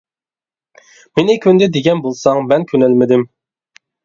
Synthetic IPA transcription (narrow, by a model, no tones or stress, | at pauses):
menɪkʰʲynd̪ɛd̪eɡʲɛnbolˠsɑŋmɛnkʲʰønɛlmɪd̪ɪm